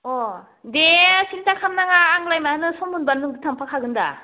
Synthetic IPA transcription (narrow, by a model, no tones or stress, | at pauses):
ɔ | desʰintakʰamnaŋaːŋlajmaanɯsɔmːɯnbanlɯŋdɯtʰaŋpʰakʰaɡɯnda̰